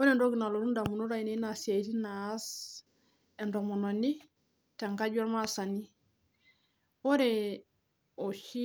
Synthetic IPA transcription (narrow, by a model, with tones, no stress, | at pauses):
o˦ɾɛ˨ndo˦ɡi˨na˨lo˨ɾu˦nda˨mu˨no˦ɾa˨i˨ne˦na˨si˨a˨i˦ti˦nas | ɛ˨ndo˨mɔ˨no˨ni˦ | ta˨ŋka˦ɟɔ˦ɾma˦sa˨ni˦ | o˦ɾɛ | o˨ʃi˦